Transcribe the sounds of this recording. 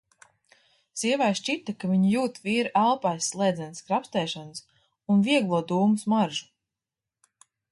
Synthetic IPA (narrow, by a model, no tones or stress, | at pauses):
siɛvajʃt͡ʃit̪akaviɲijuːt̪viːɾʔalˠpajsːlˠɛːd̪zɛnskɾapst̪ɛːʃans | unviɛɡlˠuɔd̪uːmusmaɾʒu̥